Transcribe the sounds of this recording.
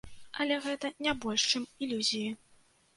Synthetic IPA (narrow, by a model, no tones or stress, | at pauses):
ɐlʲɛɣɛt̪ɐnʲabɔlʲʂt͡ʂɨmilʲuzʲiji